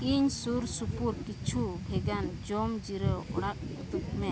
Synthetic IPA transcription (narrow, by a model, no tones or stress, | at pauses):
kiɲsuɾsupuɾkit͡ʃʰubʱɛɡand͡ʒɔmd͡ʒiɾəʔɔ̰ɽak̚ɔt̪uk̚mɛ